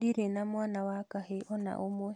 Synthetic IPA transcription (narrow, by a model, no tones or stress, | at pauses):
diɾenamwanawakaheʔɔna̰ʔomwɛ